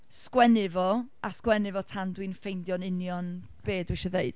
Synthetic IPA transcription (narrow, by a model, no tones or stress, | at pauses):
skwɛnɪvɔaskwɛnɨvɔtʰandwinfejndjɔnɪnjɔn | b̥eːdwɪʃɔðeɨd̥